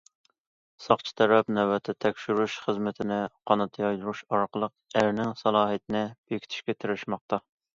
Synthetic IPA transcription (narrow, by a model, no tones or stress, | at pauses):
sɑχt͡ʃʰi̥t̪ʰɛɾɛpnɛwɛt̪ʰɪt̪ʰɛkʲʃyɾuʃχəzmɪt̪ʰɪnɪqʰɑnɨt̪ʰjɑjd̪uɾuʃɑɾqʰəlˠəq̚æɾnɪŋsɑlˠɑːɦit̪ɪnɪb̥ekʲʰi̥t̪ʰɪ̥ʃkʲɛt̪ʰyɾɪʃmɑχ̚t̪ɑ